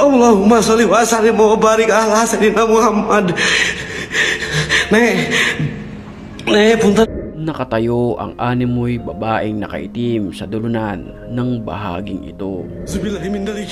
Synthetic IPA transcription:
ʔɐwlahʊmasalɪwasaɾɪnmobaːɾɪkalasɐnɪnamʊhamːɐd̪ | nɐ | napʊnt̪anɐkɐt̪ɐjoʔɐ̰ŋʔaːnɪmːojbɐbaːʔɪŋnɐkɐ̰ʔɪ̰t̪imsɐd̪ʊlʊnanː | ɐŋbɐ̰ɦa̰ːɡɪŋɪ̰t̪o̞sɐbɪlaɦɪmɪnd̪aki

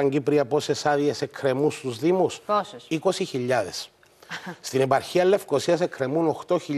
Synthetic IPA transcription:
ɐɲɟipɾiɐpo̞se̞sɐðiese̞kʰɾe̞must̪uzðimusiko̞siçiʎːɐðe̞̰s | st̪inepɐɾçiɐlːe̞fko̞siɐse̞kɾe̞muno̞xt̪o̞çiʎ

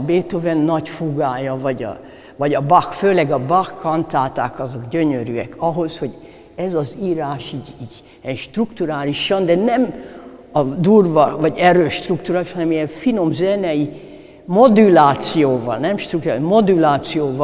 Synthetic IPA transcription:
beːt̪ovɛnːɒcfuɡaːjɒvɒɟɒ̰ | vɒɟɒbɒxføːlɛɡɒbɒxːɒnt̪aːt̪a̰ːkɒzo̞ɡɟøɲøɾyɛ̰kʰɒɦo̞sho̞ɟ | ɛzɒziːɾaːʃiːɟiːɟ | ɛnʃt̪rukt̪uɾaːliʃɒnd̪ɛnɛm | ɒd̪uːrvɒvɒɟɛɾøːʃt̪rukt̪uɾaːliʃhɒnɛmijɛɱfino̞mzɛnɛji | mo̞d̪ulaːt̪sijoːvɒ̰lnɛmʃt̪rukt̪uamod̪ulaːt̪sijoːvɒ

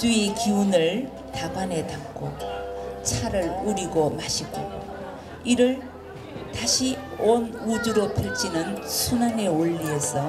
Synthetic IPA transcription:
tuekiunɯɭ | taɡwane̞tak͈ʰo | t͡ɕʰaɾɯɭuɾiɡomaɕʰiɡo | iɾɯɭ | taɕʰionud͡ʑuɾopʰiɭt͡ɕʰinɯnsʰunane̞oʎːiʌs͈ʌ

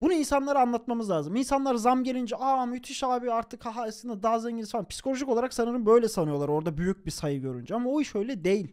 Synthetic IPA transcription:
bunuinsanlˠaɾɯanlˠat̪̚mamɯzlʲaːzɯminsanlˠaɾzamɟe̞lʲind͡ʒɛʔamyt̪ʰiʃaːbyaɾt̪ʰɯkhaɦaasɯnd̪ad̪aːzeɲɟinʲisfaanpʰi̥si̥kʰo̞lʲo̞ʒikolˠaɾaksanɯɾɯnbø̞jlʲɛsanɯjolˠaɾo̞ɾd̪abyjyc̚bisajɯɟøɾy̰nd͡ʒɛamaoiʃø̞jlʲɛd̪e̞jilʲ

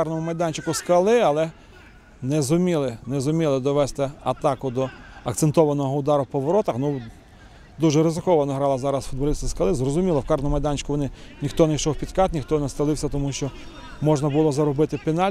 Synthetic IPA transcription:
kɑrnɔmʊmɐjd̪ɑnʲt͡ʃɪkʊskɐlˠɪɐlˠɛ | nɛzʊmʲilˠɪnɛzʊmʲilˠɪd̪ɔʋɛst̪ɪɐ̰t̪ɑkʊd̪ɔɐkt̪sent̪ɔʋɐnɔɦɔʊd̪ɑɾʊwpɔʋɔɾɔt̪ɐxnu | d̪uʒɛɾɪzɪkɔʋɐnɔɦɾɑlˠɐzɑɾɐsfʊd̪̚bɐlʲisʲt̪ʲiskɐlˠɪzrɔzʊmʲilˠɔwkɑrnɔmʊmɐjd̪ɑnʲt͡ʃɪ̥kʊʋɔnɪnʲixt̪ɔnɛjʃɔwpʲid̪kɑt̪nʲixt̪ɔnɛst̪ɐlˠɪwsʲɐt̪ɔmuʃt͡ʃɔ | mɔʒnɐbʊlˠɔzɐɾɔbɪt̪ɪpenɑ

